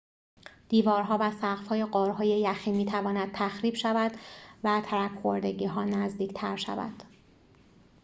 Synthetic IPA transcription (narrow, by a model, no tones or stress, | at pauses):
d̪̥iːvɒːɾɦɒːvæsæqfhɒːje̞ɢɒːɾɦɒːje̞jæxiːmiːt̪ʰævɒːnæd̪̚t̪ʰæxɾiːb̥ʃævæd̪̥væt̪ʰæɾækʰxoɾd̪e̞ɟiːɦɒːnæzd̪iːcʰt̪ʰæɾʃæ̰væ̰d̪̥